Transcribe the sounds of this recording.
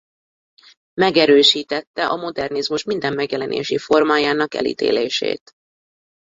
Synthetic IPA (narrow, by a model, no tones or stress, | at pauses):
mɛɡɛɾøːʃiːt̪ɛt̪ːɛʔɒmo̞d̪ɛrnizmuʃmind̪ɛmːɛɡjɛlɛnʔḛːʃifo̞rmaːjaːnɒkɛ̰lḭt̪ḛːleːʃḛːt̪